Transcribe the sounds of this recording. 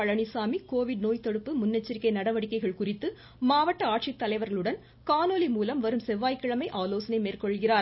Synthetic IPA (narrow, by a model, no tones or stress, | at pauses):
ɐɻɐɳisaːmikoːʋɪɽnoːjt̪ːɔɽɯpːɯmʊnːɛt͡ʃːɐɾɪkːɐɪnɐɽɐʋɐɽɪkːɐɪɣɐɭkʊrɪt̪ːɯ | maːʋɐʈːɐaːʈ̚ʂɪt̪ːɐlɐɪʋɐɾɣɐɭɯɽɐn | kaːnoːlimuːlɐmʋɐɾɯmsɛʋːaːjkːɐɭɐmɐɪʔaːloːsɐnɐɪmeːrkɔɭɣɪraːɾ